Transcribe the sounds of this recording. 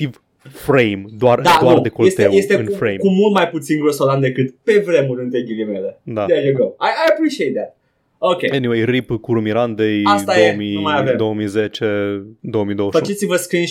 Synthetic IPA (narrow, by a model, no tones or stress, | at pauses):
t̪iv | fɾejmd̪oard̪ad̪oaurd̪ekolest̪ewjest̪eɨnfɾejmkumult̪̚majput̪sinɡɾosod̪and̪e̞kɨt̪pe̞vɾe̞muɾɨnt̪ɾeɡilimeled̪ad̪ɛjuɡoajajapɾiʃiejt̪̚ðæt̪̚ | okejeniwejripkuɾumiɾand̪ejasaemimajavemd̪owəmizet͡ʃed̪owəmid̪oəʃfət͡ʃet̪sivəskɾin